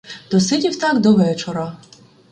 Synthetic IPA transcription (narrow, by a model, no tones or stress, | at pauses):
d̪̥ɔsɪdʲiwt̪ɑkd̪ɔʋɛt͡ʃɔɾɐ